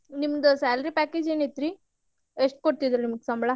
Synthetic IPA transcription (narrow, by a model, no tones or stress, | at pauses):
nimɐd̪ɐsaːlɐɾipæːkeːd͡ʒeːnet̪ɾi | eʂʈ̚koɽt̪id̪ɐɾunimɐɡsɐmbɐɭɐ